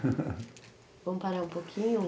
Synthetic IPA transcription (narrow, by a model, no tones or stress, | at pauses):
võmʊpaɾaũpokʰĩɲʊ